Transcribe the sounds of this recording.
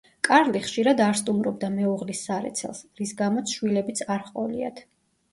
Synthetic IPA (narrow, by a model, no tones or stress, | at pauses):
kʼaɾliχʃiɾad̪aɾst̪ʼumɾɔb̚d̪amɛuʁlisːaɾɛ̰t̪sʰɛ̰lˠsɾisɡamɔt̪sʰʃwilɛbit̪sʰaɾχqʼɔlia̰t̪ʰ